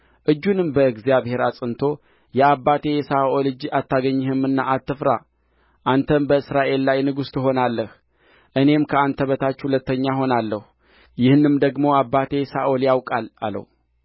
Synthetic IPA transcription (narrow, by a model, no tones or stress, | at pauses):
ʔɨd͡ʒːunɨmbəɨɡzijaβhe̞ɾasʼɨnt̪ʰo̞ | jɛabːat̪ʰe̞jsaʔolɨd͡ʒat̪ːaɡəɲːɪhɨmɨnːaat̪ːɨfɾa̰ | ʔant̪ʰəmbəɨsɾaʔe̞lːajnɨɡust̪ɨɦo̞nalːəh | ʔɨne̞mkʰəant̪ʰəβət̪ʰat͡ʃːhulət̪ːəɲːaɦo̞nalːəhu | jɪhnɨmd̪əɡmo̞abːat̪ʰe̞saoljawkʼala̰lə̰w